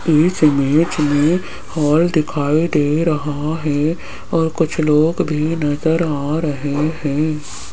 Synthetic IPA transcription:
ɪsɪmeːt͡ʃmẽ | hɔːld̪ɪkʰaːid̪eːɾɐɦaɦɛː | ɔːɾkʊt͡ʃʰloːɡbʱinɐzəɾaːɾɐɦeɦɛ̃ː

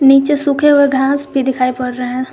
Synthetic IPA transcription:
niːt͡ʃesʊkʰeɦʊeɡʱãːsbʱid̪ɪkʰaːipɐɽːəɦɛ̃ː

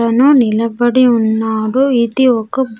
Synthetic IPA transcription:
ɐnunilɐbɐɽiunːaːɽuit̪iɔkːɐb

